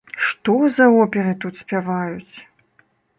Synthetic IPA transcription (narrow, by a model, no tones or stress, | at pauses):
ʂt̪ɔzɐɔpʲɛɾɨt̪ut̪sʲpʲavajut͡sʲ